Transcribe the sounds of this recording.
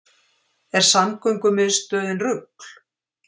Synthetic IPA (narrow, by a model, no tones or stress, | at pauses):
ɛɾ̥samkœɥjŋkʏmɪðst̪œːðɪnrʏkl̥